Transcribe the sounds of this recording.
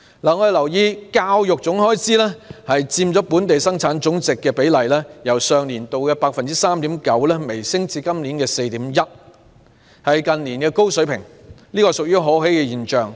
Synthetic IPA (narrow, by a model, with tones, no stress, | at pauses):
laː˨ŋɔ˨˧d̪e˨lɐ˨˩wjiː˧kaː˥wjʊ˨k̚t͡sʊ˨˥ŋɦɔː˥jt͡siː˥lɛː˥hɐ˨jt͡siː˧mt͡sɔː˨˥puː˨˥nt̪e˨jsɐ˥ŋt͡sʰaː˨˥nt͡sʊ˨˥ŋt͡sɪ˨kːɛː˧pe˨˥jlɐ˨jlɛː˥jɐ˨˩wsœː˨˧ŋliː˨˩nt̪o˨wkɛː˧paː˧k̚fɐ˨nt͡siː˥saː˥mt̪iː˨˥mkɐ˨˥wlɛː˥me˨˩jsɪ˥ŋt͡siː˧kɐ˥mliː˨˥nkɛː˧se˧jt̪iː˨˥mjɐ˥t̚ | hɐ˨jkɐ˨nliː˨˩nkɛː˧ko˥wsɵ˨˥ɥpʰɪ̰˨˩ŋliː˥kɔː˧sʊ˨k̚jyː˥ɦɔː˨˥he˨˥jkɛː˧jiː˨˩nt͡ʃœː˨ŋ